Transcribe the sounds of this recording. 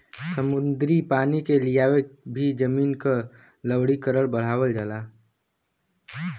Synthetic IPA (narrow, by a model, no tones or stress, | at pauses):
səmʊnd̪ɾipaːnikelijaːwebʱid͡ʒəmiːnka | ləwɽikəɾəɽbəɽ̤aːwəld͡ʒaːlaː